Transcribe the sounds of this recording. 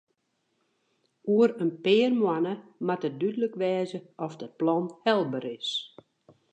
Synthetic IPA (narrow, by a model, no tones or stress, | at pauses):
uəɾənpɪːrmwanəmatət̚dydələkʋɛːzəɔfdət̚plɔnhɛlˠbəɾɪs